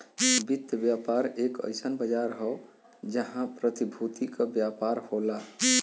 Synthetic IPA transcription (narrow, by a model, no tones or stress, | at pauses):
bit̪jəbjapaɾekə̰jsənbəd͡ʒaɾɦɔ | d͡ʒəɦãpɾət̪ibʱut̪ikəbjapaɾhola